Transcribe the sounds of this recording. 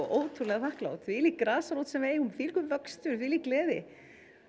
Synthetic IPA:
ʔoːwt̪ʰunlɛɣfahkla̰ːwt̪θvilikːɾaːsaɾowt̪sɛmveːjumfiːlkʏmvœkst̪ʏɾ̥θviliːklɛːðɪ̰

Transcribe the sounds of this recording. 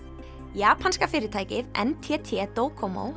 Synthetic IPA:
jaːpʰanskafɪːɾɪt̪ʰaːjcɪðɛ̰nt̪ʰɛt̪ʰɛt̪oːwkʰɔmo̰ːw

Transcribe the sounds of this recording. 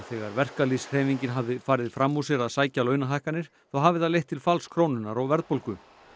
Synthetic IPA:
θɛɣaɾvɛr̥kalisr̥ɛːviɲcɪnɦavðɪfaːɾɪðfɾamːusjɛɾaðsaːjcalœːɥnaɦajhkanːɪɾ̥ | θawɦaːvɪθaðlejht̪ʰːɪlfalskʰɾoːwnʏnaɾawvɛɾðpowlkʏ

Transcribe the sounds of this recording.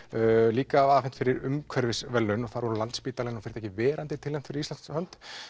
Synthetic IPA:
liːkaːvafɛn̥t̪fɪɾɪɾʏmkʰvɛɾvɪsvɛlːʏnɔɣθaɾvɔɾʏlant̪spiːt̪alɛnɔfɪɾ̥t̪ʰɛcːɪvɛːɾant̪ɪt̪ʰɪlːɛm̥t̪fɪɾɪɾislanshœnt̪

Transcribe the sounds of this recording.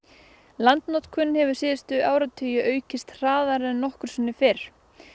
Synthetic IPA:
lant̪nɔt̪kʰvʏnːhɛvʏɾ̥sɪːðɪst̪ʏʔaːwɾat̪ʰʏːjʏʔœːɥcɪst̪r̥aːðaɾɛnɔhkʏɾ̥sʏnːɪfɪɾ̥

